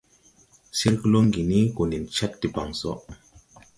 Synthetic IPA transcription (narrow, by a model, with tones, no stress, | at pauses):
si˦ɾkə˦lo˦ŋɡi˨ni˦ko˨ni˨nt͡ʃa˦t̚ti˨ba˨ŋsɔ̰˦ʔ